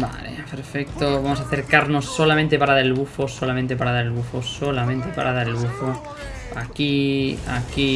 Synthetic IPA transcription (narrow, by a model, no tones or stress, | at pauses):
ba̰lḛpeɾfek̚t̪oβamos̬aθe̞ɾkaɾnosːolamẽnt̪e̞paɾaðaɾelβufosolamẽnt̪̬e̞paɾaðaɾelβufosolamẽnt̪epa̰ɾʔaðaɾelβufo | akia̰ki